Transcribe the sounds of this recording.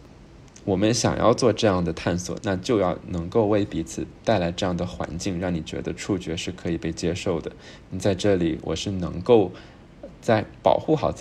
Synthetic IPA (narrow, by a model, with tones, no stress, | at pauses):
wɔ˨˩mə˦nɕjɑ̰˨˩ŋjʔɑ̰˥˧ʊt͡swɔ˥˧ʈ͡ʂɤ˥˧jɑ˥˩ŋd̪ə˩t̪ʰa˥˩nswɔ̰˨˩˦na˥˧t͡ɕjo˥˧ʊjɑ˥˩ʊnɤ˧˥ŋko˥˧ʊwe˥˩ɪpi˧˥t͡sʰɹ̩˨˩˦t̪a˥˩ɪla˧˥ɪʈ͡ʂɤ˥˧jɑ˥˩ŋd̪ə˩xwa̰˧˥nt͡ɕi˥˧ŋɻɑ˥˩ŋni˨˩t͡ɕɥɛ̰˧˥d̪ə˧ʈ͡ʂʰu˥˩t͡ɕɥɛ˧˥ʂɻ̩˥˩kʰɤ˧˥i˨˩pe˥˩ɪt͡ɕjɛ˥ʂo˥˩ʊd̪ə˩ | ni˧˥t͡sa˥˧ɪʈ͡ʂɤ˥˩li˨˩wʔɔ̰˨˩ʂɻ̩˥˩nɤ̰˧˥ŋko˥˧ʊ | t͡sa˥˩ɪpɑ̰˨˩ʊxu˥˩xɑ˨˩ʊt͡s